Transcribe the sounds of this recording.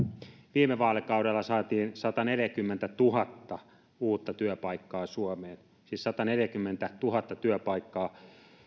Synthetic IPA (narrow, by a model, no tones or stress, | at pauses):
ʋiːmeʋɑːlekɑuɾelːɑsɑːt̪iːnsɑt̪ɑneljækymːent̪æt̪uhɑt̪ːɑ | uːt̪ːɑt̪yøpɑikːɑːsuomeːn | siːssɑt̪ɑneljækymːent̪æt̪uhɑt̪ːɑt̪yøpɑikːɑː